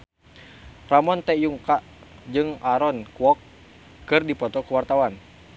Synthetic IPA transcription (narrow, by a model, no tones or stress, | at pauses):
ramɔnt̪ɛjuŋkaʔ | d͡ʒɨŋaɾɔnkuwɔkː | ɨrdipɔt̪ɔkuwart̪awan